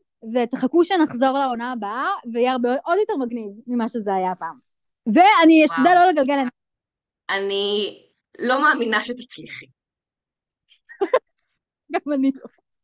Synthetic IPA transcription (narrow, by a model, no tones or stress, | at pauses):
vet̪aχakuʃenaχzo̞ʁlao̞naːbaaveajeaʁbeʔod̪jote̞ʁmaɡnivmimaʃezeajapaːm | veaniʃtod̪aloleɡalɡelan | ani | lo̞maːminaʃet̪at͡sliχi | ɡamanioχe